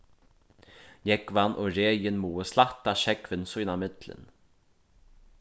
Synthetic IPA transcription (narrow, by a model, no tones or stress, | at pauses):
jɛkvanʔɔɾeːjɪnmuːəslat̪ːaʃɛkvɪnsujnamɪt̪lə̰n